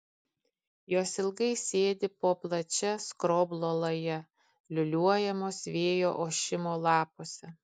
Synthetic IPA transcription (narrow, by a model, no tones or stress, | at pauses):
joːsɪlˠɡɐɪsʲeːd̪ʲɪpoːplˠɐt͡ʃʲɛskɾoːblˠoːlˠɐjɛ | lʲʊlʲuɔjɛmoːsʋʲeːjoːʔoːʃʲɪmoːlˠɑːpoːsʲɛ